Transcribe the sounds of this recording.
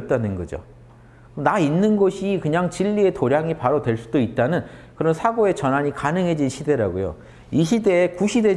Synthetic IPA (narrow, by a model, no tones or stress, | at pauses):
t̚t͈anɯnɡʌ̰d͡ʑo̰ | nainːɯnɡʌɕʰikɯɲaŋt͡ɕiʎːie̞toɾjaŋipaɾotwe̞ɭs͈udoit̚t͈anɯnkɯɾʌnsʰaɡoe̞t͡ɕʌnɦaɲikanɯŋɦe̞d͡ʑinɕʰide̞ɾa̰ɡo̰jo̰ | iɕʰide̞ːkuɕʰide̞